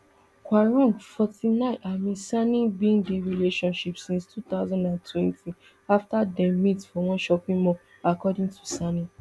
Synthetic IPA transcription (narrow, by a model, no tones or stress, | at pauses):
kwaɹɔ̃ŋɡfɔtinãɪ̃nʔamĩsanĩbĩŋdeɹileʃɔ̃nʃipsĩnstʰut̪aʊzɔ̃ndãntʰwɛ̃ntĩ | aftadɛ̃mĩtfɔw̃ɔ̃ʃɔpĩmɔ̃ | akɔdĩtʰu̥sanĩ